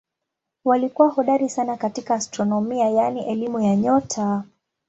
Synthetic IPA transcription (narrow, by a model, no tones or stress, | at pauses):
walikuwahɔɗaɾisanakatikaːstɾɔnɔmiajaniʔɛlimujaɲɔtʰa